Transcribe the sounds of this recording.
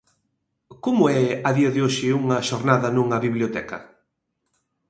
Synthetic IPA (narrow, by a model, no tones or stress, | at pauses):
komʊɛɐðiɐðɪoʃɪuŋɐʃoɾnaðɐnũŋɐβiβljot̪ɛkɐ̰